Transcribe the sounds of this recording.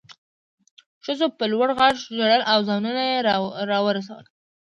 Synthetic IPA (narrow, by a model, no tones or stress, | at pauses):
ʃəzopəlwaɽɣaʒʒaɽəlʔawzɑnunajeɾɑwəɾas̬awə̰l